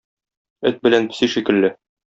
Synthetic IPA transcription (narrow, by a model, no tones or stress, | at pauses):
ɘt̪̚bɘ̆lænpɘ̥̆siʃikɘ̆lːɘ